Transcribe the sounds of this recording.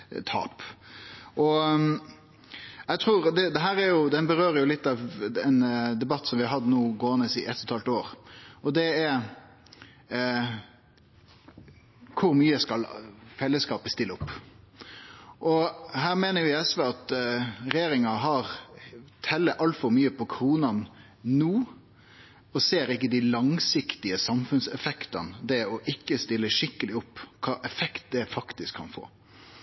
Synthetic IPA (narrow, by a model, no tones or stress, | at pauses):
t̪ʰɑ̰ːp | ʔɔ | æɪt̪ʰɾuːɾd̪ɛd̪ɛɦæːɾæɾjʊd̪ɛnbəɾøːɾəjʊlɪt̪ːɑʋɛnd̪ɛbɑt̪ːsɔmʋɪhɑɾhɑd̪ːənuːɡoːnəsɪʔɛt̪ʰːɔt̪ʰɑlt̪oːɾɔd̪ɛæɾ | kʰʊɾmyːəskɑlfɛlːəskɑːpəst̪ɪlːəʊpː | ʔɔhæːɾmeːnəɾjɪɛsʋeːɑt̪ɾɛjeːɾɪŋɑɦɑɾt̪ʰɛlːəʔɑlt̪fɔɾmyːəpʰɔkʰɾuːnɑn | nuː | ɔseːɾɪkːəd̪ɪlɑŋsɪkt̪ɪəsɑmfʉnsɛfɛkt̪ɑnd̪ɛɔʔɪkːəst̪ɪlːəʂɪkːəlɪʊpːkʰɑːʔɛfɛkt̪̚d̪ɛfɑkt̪ɪskʰːɑ̰nfo̰ː